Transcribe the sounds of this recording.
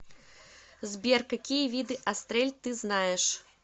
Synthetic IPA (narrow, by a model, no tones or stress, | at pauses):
zʲbʲɛrkakʲijɐvʲid̪ɨʔast̪ɾɛlʲt̪ɨznajɛʂ